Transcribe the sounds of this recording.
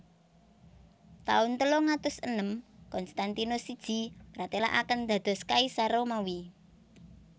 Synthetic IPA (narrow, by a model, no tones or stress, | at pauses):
t̪a̰ʊnt̪əloŋat̪ʊsənəmkɔnst̪ant̪inosid̥ʒ̥i̤mɾat̪ela̰ʔa̰kənd̪̥ä̤d̪̥ɔ̤skaisaɾomawi